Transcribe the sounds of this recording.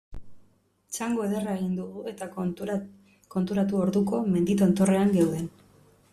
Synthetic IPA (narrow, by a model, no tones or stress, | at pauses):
t͡ʃaŋɡo̞e̞ðeraeɣind̪uɣue̞t̪a | ko̞nt̪uɾat̪uo̞ɾðuko̞me̞nd̪it̪ont̪o̞re̞aŋɡewðe̞n